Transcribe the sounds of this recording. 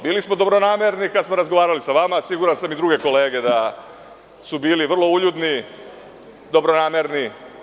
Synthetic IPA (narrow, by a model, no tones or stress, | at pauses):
biːlismo̞d̪o̞bɾo̞naːme̞ɾnikad̪smo̞ɾazɡoʋaːɾalisaʋamasiɡuɾansamid̪ɾuɡe̞ko̞le̞ːɡe̞d̪a | subiːliʋr̩lˠo̞uʎud̪ni | d̪o̞bɾo̞naːme̞ɾni